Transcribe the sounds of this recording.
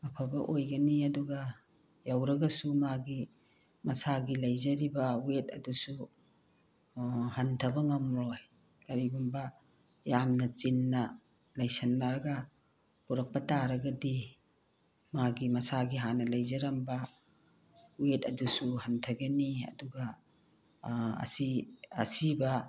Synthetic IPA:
ɐpʰɐbɐʔojɡɐniɐduɡɐ | jawɾɐɡɐsumaɡi | mɐsaɡilɐjzɐɾibɐwetʰɐdusu | hɐntʰɐbɐŋɐmɾoj | kɐɾiɡumbɐ | jamnɐt͡ʃinːɐ | lɐjsɐnːaɾɐɡɐ | puɾɐk̚pɐtaɾɐɡɐdi | maɡimɐsaɡiɦanɐlɐjzɐɾɐmbɐ | wetɐdusuhɐntʰɐɡeniɐ̰duɡɐ | ɐ̰siɐ̰sibɐ

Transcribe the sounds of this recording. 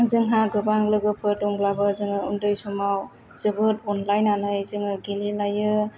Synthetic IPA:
zɯŋɦaɡɯbaŋlɯɡɯpʰɯtɔŋblabɯzɯŋɯundɯjsumaw | z̥ɯbɯt̚ɔnlajnanɯjzɯŋɯɡililajɯ

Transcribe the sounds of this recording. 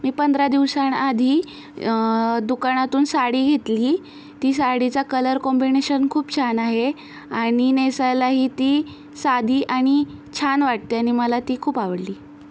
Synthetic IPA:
miːpənd̪ʱɾad̪iʋsanad̪ʱiː | d̪ukaɽ̃at̪uːnsaɽiːɡʱet̪liː | t̪iːsaɽit͡sakələɾkɔmbineɕənkʰuːpt͡ɕʰanaɦe | aɽ̃inesajlaɦiːt̪iː | sad̪ʱiːʔaɽ̃it͡ɕʰanʋaʈ̚t̪iaɽ̃iməlat̪iːkʰuːpaʋəɽliː

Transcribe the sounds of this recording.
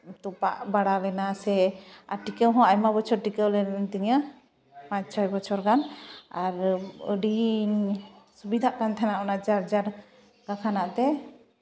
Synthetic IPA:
t̪upaʔbaɽalɛnasɛaɾʈikəwɦɔ̃ajmabɔt͡ʃʰɔɾʈikəwlɛt̪əɲə | pãɲt͡ʃʰɔjbɔt͡ʃʰɔɾkanaɾəɖi | subid̪ʱaʔkant̪ʰɛnaʔɔnad͡ʒaɾd͡ʒaɾ | ɡakʰanaʔt̪ɛ

